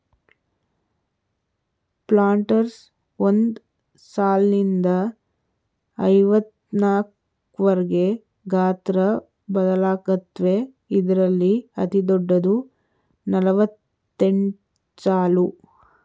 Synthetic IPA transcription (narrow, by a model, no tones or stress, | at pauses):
plaːɳʈɐɾs | ond̪ | saːlnind̪ɐ | ɐjʋɐt̪naːk | ʋɐɾɡe̞ | ɡaːt̪ɾɐ | bɐd̪ɐlaːkɐt̪ʋe | id̪ɐɾɐlːiɐt̪id̪ɔɖːɐd̪u | nɐlɐʋɐt̪ː | e̞ɳʈ | saːlu